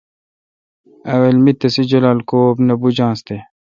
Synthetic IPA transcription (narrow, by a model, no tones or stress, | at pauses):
ɐwelmit̪ɐsid͡ʑɐlaːlkoːbnɐbud͡ʑãːst̪e